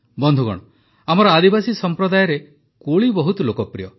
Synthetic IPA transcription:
bɔnd̪ʱuɡɔ̰ɽ̃ɔ | amɔɾɔad̪ibasisɔmpɾɔd̪ajɔɾe | koɭibɔɦut̪ɔlokɔpɾḭjɔ

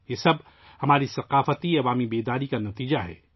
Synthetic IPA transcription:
jeːsɐb̚ | hɐmaːɾisɐqaːfət̪iɐʋaːmibeːd̪aːɾikanɐt̪iːd͡ʒaɦɛ̰ː

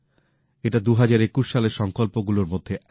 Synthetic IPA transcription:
eʈad̪uɦad͡ʑaɾekuʃʃaleɾʃɔŋkolpoɡuloɾmod̪ʱːeʔ

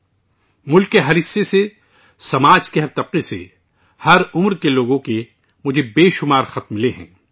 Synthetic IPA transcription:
mʊlkːeɦɐɾɪsːese | sɐmaːd͡ʒkeɦɐɾt̪ɐb̚qisḛ | hɐɾʊmɾkeloːɡõke | mʊd͡ʒʱebeːʃʊmaːɾxɐt̪̚mɪleɦɛ̰̃ː

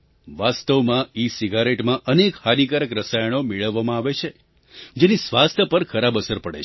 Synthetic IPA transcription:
ʋast̪əʋmãisiɡaɾeʈmãʔənekhalikaɾəkɾəsaj̃omeɭəʋːamãaʋet͡ʃʰe | d͡ʒenisʋast̪ʰjəpəɾkʰəɾabəsəɾpəɽḛ

